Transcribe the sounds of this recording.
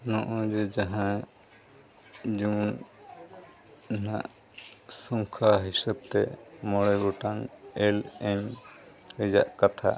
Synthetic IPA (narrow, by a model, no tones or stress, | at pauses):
nɔ̃ʔɔ̃d͡ʒɛd͡ʒaɦã | d͡ʒun | nãʔ | sɔŋkʰaɦisəb̚t̪ɛ̰mɔɽɛɡɔʈaŋɛlɛɲ | ɾɛd͡ʒa̰ʔkat̪ʰa̰